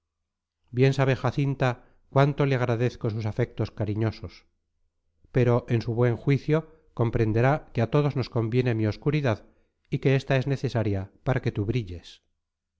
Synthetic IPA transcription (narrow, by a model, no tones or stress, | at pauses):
bje̞nsaβ̞exaθint̪a | kwant̪o̞leaɣ̞ɾaðeθko̞s̬usafek̚t̪o̞skaɾiɲo̞so̞s | pe̞ɾo̞ʔe̞nsuβwe̞ŋxwiθjo̞ | ko̞mpɾe̞nd̪e̞ɾakeat̪o̞ðo̞zno̞sko̞mbje̞ne̞mio̞skuɾiðað | ike̞est̪ae̞zne̞θe̞saɾjapaɾake̞t̪uβɾiʎe̞s